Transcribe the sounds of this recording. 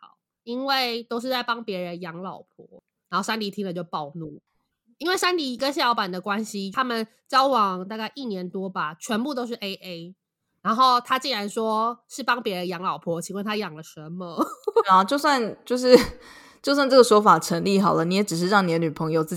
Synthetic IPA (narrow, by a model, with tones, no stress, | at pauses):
ɑ̰˨˩˦ʊ | i˦˥nwe˥˩ɪt̪o˥ʊʂɻ̩˥˧t͡sa˥˩ɪpɑ˥ŋpjɛ˧˥ɻə˧˦njɑ˧˥ŋlɑ˨˩ʊpʰwɔ̰˧˥˦ | ɻa˧˥nxo˥˩ʊʂa˥nli˨˩t̪ʰi˥ŋlə˨t͡ɕjo˥˩ʊpɑ˥˧ʊnu˥˩ | i˥nwe˥˩ɪʂa˥nli˨˩i˧˥ɡə˧ɕ̬jɑ˥˩ʊpa˨˩nd̪ə˦kwa˦˥nɕi˥a˦˥mə˨n | t͡ɕjɑ˥ʊwɑ˨˩ŋt̪a˥˧ka˥˧ɪʔi˥˩njɛ˧˥nt̪wɔ˥ba˨t͡ɕʰɥɛ˧˥npu˥˧t̪o˥ʊʂ̬ɻ̩˥˩ʔe˥ɪʔe˥ɪ | ɻa˧˥nxo˥˩ʊt̪ʰa˥t͡ɕi˥˩nɻa˧˥nʂwɔ˥ʂɻ̩˥˩pɑ˥ŋpjɛ˧˥ɻə˧˦njɑ˧˥ŋlɑ˨˩ʊpʰwɔ˧˥t͡ɕʰi˧˥wa˥˩nt̪ʰa˥jɑ˨˩ŋlə˦ʂə˧˦nmə˨˥˩a˨˩t͡ɕjo˥˧ʊswa˥˧nt͡ɕjo˥˧ʊʂ̬ɻ̩˥˧ | t͡ɕjo˥ʊswa˥˧nʈ͡ʂɤ˥˩ɡə˩ʂwɔ˥fa˨˩ʈ͡ʂʰə˧˥nli˥˩xɦɑ˨˩ʊlə˦ni˧˥jɛ˨˥ʈ͡ʂɻ̩˨˩ʂ̬ɻ̩˥˧ɻɑ˥˩ŋni˨˩d̪ə˦ny˨˩pʰɤ˧˦ŋjo˨˧ʊt͡sɹ̩˥˩